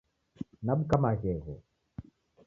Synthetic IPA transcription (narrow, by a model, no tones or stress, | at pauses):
naɓukamaɣɛɣɔ